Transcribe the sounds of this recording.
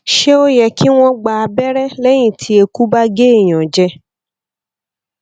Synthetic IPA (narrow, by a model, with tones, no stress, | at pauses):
ʃe˦o˦jɛ˧ki˦w̃ɔ̃˦ɡ͡ba˧a˧bɛ˦ɾɛ˦lɛ˦j̃ĩ˦˨tʰi˧˦e˧ku˦ba˦ɡe˦i˦˨j̃ã˨d͡ʒɛ˧